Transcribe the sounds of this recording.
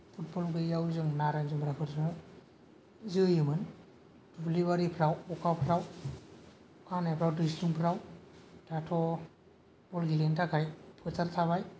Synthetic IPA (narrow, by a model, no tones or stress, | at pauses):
pʰut̚bɔlɡɯjawzɯŋnaɾanzɯmbɾapʰɯɾsnɯ | zɯjɯmɯn | dubliβaɾipʰɾawɔkʰapʰɾaw | kʰanajpʰɾawdɯsluŋpʰɾawdatʰɔ | b̥ɔlɡilentʰakʰajpʰɯtaɾtʰaβaj